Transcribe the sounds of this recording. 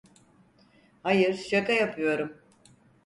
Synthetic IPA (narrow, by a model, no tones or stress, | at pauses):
hajɯɾʃakajapʰɯjo̞ɾum